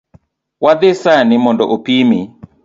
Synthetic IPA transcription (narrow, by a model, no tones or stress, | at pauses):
wad̪ɪsanɪmɔndɔʔopimi